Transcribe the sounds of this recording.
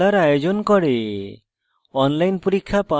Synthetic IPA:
aɾajod͡ʒɔnkɔɽe | ɔnlajnpuɾikʰːapa

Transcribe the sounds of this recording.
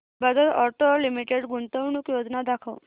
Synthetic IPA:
bəd̪ʱət̪ɔʈolimiʈeɖɡuɳt̪əwɳuːkjod͡znad̪akʰə̰w

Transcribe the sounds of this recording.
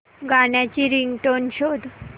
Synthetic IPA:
ɡaɽjat͡ɕiɾiŋɡʈonɕod̪ʱ

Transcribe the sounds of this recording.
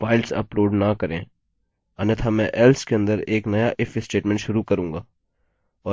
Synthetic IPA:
faːɪlsɐ̰pɾoːɖnakɐɾẽː | ɐnet̪ʰamɛ̃ʔɛːlskeɐ̃nd̪əɾeːknɐjaʔɪfsʈeːʈmɛ̃ɳʈʃʊɾukɐɾũːŋɡaː | ɔː

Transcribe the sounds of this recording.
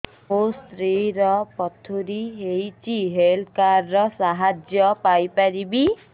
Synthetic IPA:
ɦost̪ɾiɾɔpɔt̪ʰuɾiɦejt͡ʃiɦelkaɾːɔsaɦad͡ʒjɔpajpaɾibi

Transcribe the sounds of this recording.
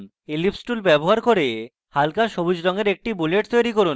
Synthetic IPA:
n | elipsʈulbɛboɦaɾkoɾe | halkaʃobud͡ʑɾɔŋeɾek̚ʈibuleʈt̪ojɾikoɾun

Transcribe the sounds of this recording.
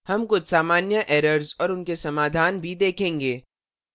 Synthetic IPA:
hɐmkʊt͡ʃʰsaːmaːnjəʔɛːɾəɾzɔːɾʊnkesɐmaːd̪ʱaːnbʱid̪eːkʰẽːŋɡeː

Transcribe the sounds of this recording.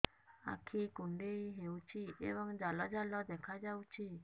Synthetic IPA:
a̰kʰikuɳɖejɦewt͡ʃʰiḛbɔŋd͡ʒalɔd͡ʒalɔd̪ɛkʰad͡ʒawt͡ʃʰi

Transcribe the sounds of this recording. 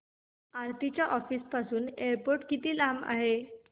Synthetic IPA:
ãɾt̪it͡ɕjaʔɔfiːspasuːneəɾpoɾʈkit̪iːlama̰ɦe

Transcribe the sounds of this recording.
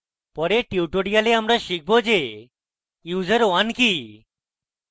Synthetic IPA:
pɔɾeʈiwʈoɽijaleamɾaʃik̚ʰbod͡ʑe | juːzəɾanki

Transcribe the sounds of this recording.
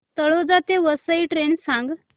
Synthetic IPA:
t̪əɭod͡zat̪eʋəsəiʈɾensãŋɡ

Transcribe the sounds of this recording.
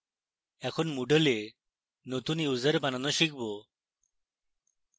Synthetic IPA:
ɛkʰonmuɖəle | not̪unjuzəɾbananɔʃikʰbɔ

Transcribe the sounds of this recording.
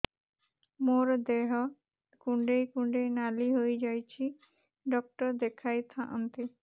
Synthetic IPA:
moɾd̪eɦɔ | kũɳɖejkuɳɖejnaliɦojd͡ʒajt͡ʃʰi | ɖɔk̚ʈɔɾd̪ekʰajt̪ʰãʔɔnt̪i

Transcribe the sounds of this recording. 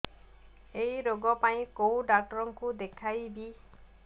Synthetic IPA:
ejɾoɡɔpaĩkowɖak̚ʈɔɾɔŋkud̪ekʰajbi

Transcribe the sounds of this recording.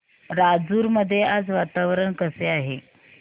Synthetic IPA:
ɾad͡zuːɾməd̪ʱːjead͡zʋat̪aʋəɾəɳkəseaɦe

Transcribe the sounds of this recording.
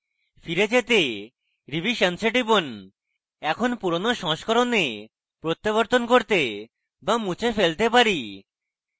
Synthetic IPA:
fiɾed͡ʑet̪e | ɾibiʃenseʈibon | ɛkʰonpuɾonoʃɔ̃ʃkʰɔɾone | pɾot̪ːaβoɾt̪onkoɾt̪e | bamut͡ɕʰefelt̪epaɾi

